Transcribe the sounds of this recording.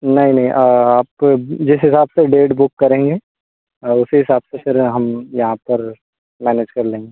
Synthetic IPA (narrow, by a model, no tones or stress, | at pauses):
nɐɦĩnɐɦĩʔəaːp̚od͡ʒɪsɦɪsaːbseɖeːʈbʊkːɐɾẽːŋɡeː | ʊsiɦɪsaːbsepɪɾɦɐmjɐɦãpɐɾ | mɛːneːd͡ʒkɐɾlẽːŋɡe